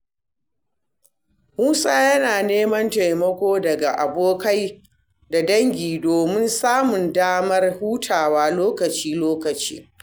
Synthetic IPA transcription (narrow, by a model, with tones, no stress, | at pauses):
muː˦sʼa˦jɐ˦naː˨neː˦mɐ˦nta˨jmɐ˦kʷoː˦dɐ˨ɡa˨ʔa˨boː˦ka˦j | da˨dɐ˦ŋɡʲiː˨doː˨mɪ˦nsaː˦mʊ˨ndaː˦mɐ˦rhuː˦tʰaː˨waː˦loː˦kɐ˨t͡ʃiː˦loː˦kɐ˨t͡ʃḭː˦